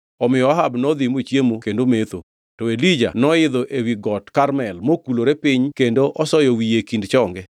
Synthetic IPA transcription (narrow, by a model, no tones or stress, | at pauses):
ɔmɪjɔaɦabnɔd̪imot͡ʃjemokendomet̪o̰ | tɔelid͡ʒa̰nɔɪd̪ɔʔewiɡɔtkarmɛlmokuloɾepɪɲkendoʔɔsɔjɔwijekindt͡ʃɔŋɡɛ